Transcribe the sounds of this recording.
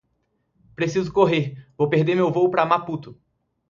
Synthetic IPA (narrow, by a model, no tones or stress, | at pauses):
pɾesizʊkoɦeɾvowpeɾd̪eɾmewvowpɾɐmaput̪ʊ